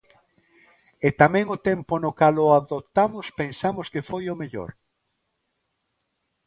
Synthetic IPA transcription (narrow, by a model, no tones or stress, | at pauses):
et̪amɛ̃ŋʊt̪ɛmpʊnʊkalʊaðot̪amʊspensamʊskefojʊmeʎo̰ɾ